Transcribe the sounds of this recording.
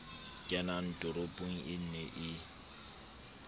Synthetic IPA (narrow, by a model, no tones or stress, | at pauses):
kʼɛnan̩tʼʊɾʊpʼʊŋ̩ɪn̩nɛʔɪ